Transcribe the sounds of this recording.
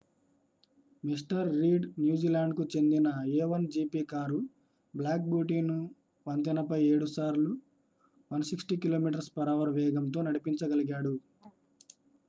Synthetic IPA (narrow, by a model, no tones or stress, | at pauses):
mis̬ʈɐɾːiːɖnjuːd͡ʒiːlaːɳɖkut͡ʃe̞nd̪inɐjeːʋɐnd͡ʒiːpiːkaːɾu | blaːk̚bjuːʈiːnu | ʋɐnt̪inɐpɐje̞ːɽusaːɾlu | ʋɐnsiksʈikilo̞ːmiːʈɐɾspɐɾaːʋɐɾʋɛːɡɐmt̪̬o̞ːnɐɽipiɲt͡ʃɐɡɐliɡaːɽu